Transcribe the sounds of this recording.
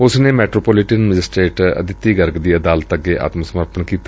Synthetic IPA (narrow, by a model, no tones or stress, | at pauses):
ʊsneːmɛːʈɾoːpoːlɪʈənməd͡ʒɪsʈeːʈə̰d̪ɪt̪ːiːɡəɾɡd̪iːəd̪aːlət̪əɡːeːʔa̰ːt̪məsəməɾpənkiːt̪a